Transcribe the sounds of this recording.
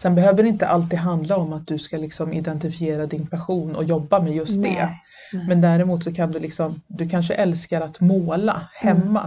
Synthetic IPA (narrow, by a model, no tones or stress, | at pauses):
sɛnbɛɦøːvəɾɪnt̪ə̰ʔalt̪iːd̪ɦand̪laɔmat̪̚d̪ɵskalɪksɔmɪd̪ɛnt̪ɪfɪeːɾad̪ɪnpʰɛɧuːnɔ̰jɔbːamɛjɵst̪̚d̪ɛ | mɛnd̪æːɾɛmuːt̪sɔkʰand̪ɵlɪksɔmd̪ɵkʰanʂ̬əʔɛlskaɾat̪moːla̰hɛmːa̰